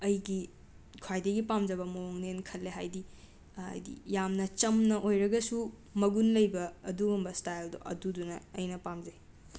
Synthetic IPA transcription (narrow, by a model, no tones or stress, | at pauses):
ɐjɡi | kʰwajdɐɡipamd͡ʒɐbɐmooŋnenkʰɐlːeɦajdi | ɐ̰jdḭjamnɐt͡ʃɐmnɐʔojɾɐɡɐsu | mɐɡunlɐjbɐːduɡombɐstajldo̰ʔɐ̰dudunɐːjnɐpamd͡ʒɐj